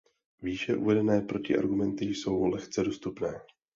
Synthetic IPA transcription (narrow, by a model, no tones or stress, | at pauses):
viːʃɛʔuvɛdɛnɛːpɾo̞cɪʔa̰ɾɡumɛnt̪ɪjso̞wlɛxt͡sɛdost̪upnɛː